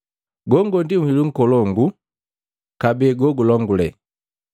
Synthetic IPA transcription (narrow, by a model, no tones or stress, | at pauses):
ɡɔŋɡɔndiŋwiluŋ̩kɔlɔŋɡu | kabɛːɡɔɡulɔŋɡulɛ